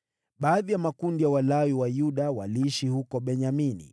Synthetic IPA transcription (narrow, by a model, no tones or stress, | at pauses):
ɓaːðijamakundijawalawiwajuɗawaliːʃihukɔɓɛɲaminḭ